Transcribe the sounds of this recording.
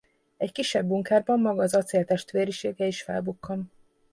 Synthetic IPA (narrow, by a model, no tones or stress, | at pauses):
ɛckiʃːɛbːuŋkaːrbɒmːɒɡɒːzɒt̪seːlt̪ɛʃt̪ʋeːɾiʃeːɡɛiʃfɛ̰lbukːɒm